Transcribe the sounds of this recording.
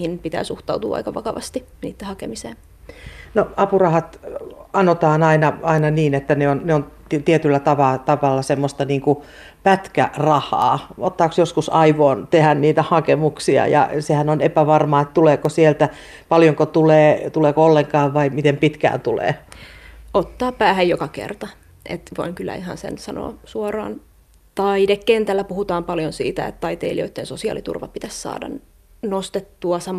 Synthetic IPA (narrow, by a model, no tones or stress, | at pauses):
hinpit̪æ̰ːsuht̪ɑut̪ṵːɑ̰ikɑʋɑkɑʋɑ̰st̪i | niːt̪ːehɑkemisḛːn | noɑpurɑhɑt̪ɑnot̪ɑːnɑinɑɑinɑniːnet̪ːæneonneon | t̪iet̪ylːæt̪ɑʋɑt̪ɑʋɑlːɑsemːost̪ɑniːŋku | pæt̪kæ̰rɑhˑɑ̰ːot̪ːɑːksjoskusɑiʋoːnt̪ehænniːt̪æhɑkemuksiɑ̰jɑ̰sehænonepæʋɑrmɑːet̪t̪uleːkosielt̪æ | pɑljoŋkot̪uleːt̪uleːkoolːeŋkɑːʋʋɑimit̪empit̪kæ̰ːnt̪ulḛː | ot̪ːɑːpæːhæjjokɑkḛrt̪ɑ | ʔḛt̪ʋo̰iŋkylːæ̰iɦɑ̰nsḛnsɑno̰ːsuɑrɑ̰ːn | t̪ɑidekkent̪ælːæpuhut̪ɑːmpɑljonsḭːt̪æ̰ḛt̪t̪ɑit̪eilio̰it̪ːeːnsosiɑ̰lit̪ṵrʋɑ̰pit̪æssɑ̰ːdɑ̰n | nost̪et̪ːuɑsɑm